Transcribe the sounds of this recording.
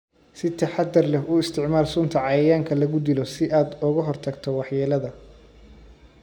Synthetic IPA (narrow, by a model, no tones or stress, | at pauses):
sɪt̪ʰɐħɑd̪ːɐrlɛfʊɪst̪ʰɪʕmaːlsʊnt̪ʰɐʕɑjɐjaːŋkʰɐlɐɣʊd̪ilɔsɪʔaːd̪ʊɣɐɦɔrt̪ʰɐɡt̪ʰɔwɑħjɛːlɐðɐ